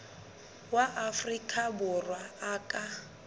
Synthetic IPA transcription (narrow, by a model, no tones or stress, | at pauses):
waʔafrikʼabʊrwaːkʼa